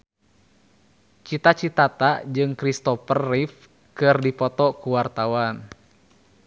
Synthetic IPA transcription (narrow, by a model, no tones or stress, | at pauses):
t͡ʃit̪at͡ʃit̪at̪ad͡ʒɨŋkɾist̪ɔfərːif | kɨrdipɔt̪ɔkuwart̪awan